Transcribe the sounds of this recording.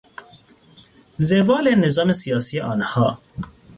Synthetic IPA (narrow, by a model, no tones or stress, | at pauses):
zevɑːlenezɑːmesijɑːsijeʔɑːnhɑː